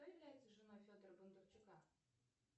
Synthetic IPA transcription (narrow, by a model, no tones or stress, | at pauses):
t̪ojɪvlʲæjɪt̪səʐɨnojfʲod̪ərbʊnd̪ərt͡ɕʊka